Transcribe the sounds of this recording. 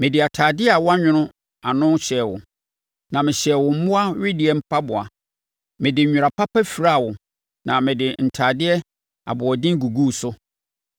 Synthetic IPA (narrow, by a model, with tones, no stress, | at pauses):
mɪ̃˨dɪ˨a˨tʰaː˨dɪ˦ɛ˦a˨wɔ˦a˦ɲᶣʊ̃˦nʊ̃˦ | a˨nʊ̃˦ɕɛː˨wʊ̰˨ | nã˨mɪ̃˨ɕɛ˨wʊ̃˨m̩˦mʊ̃˦a˦ɥɪ˦dɪ˨ɛ˦m̩˦pʰa˦bʊ˨a̰˨ | mɪ̃˨dɪ˨ʊ̃˨ɾa˨pʰa˦pæ˦fi˨ɾa˦˨wʊ˨ | nã˨mɪ̃˨dɪ˨n̩˨tʰaː˨dɪ˦ɛ˦ | a̰˨bʊ˨ɔ˨dɪ̃˦ŋ˦ɡu˨ɡu˦˨sʊ˦